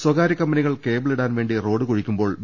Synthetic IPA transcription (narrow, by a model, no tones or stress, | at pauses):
swɐɡaːɾɐkːɐmbɐniɣɐɭke̞ːbɨɭiɽaːnʋe̞ːɳɖiro̞ːɽɨkoɻikʲːumbo̞ːɭm